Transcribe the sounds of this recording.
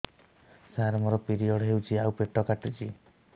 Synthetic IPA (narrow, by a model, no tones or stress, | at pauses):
saɦaɾɔmɔɾɔpiɾiɔɽɔɦewt͡ʃʰiawpeʈɔkaʈit͡ʃʰi